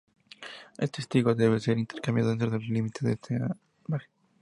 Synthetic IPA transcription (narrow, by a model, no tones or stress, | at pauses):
est̪est̪iɣoðeβeseɾint̪eɾkambjaðent̪ɾoðellimit̪eðest̪ʰe | maxe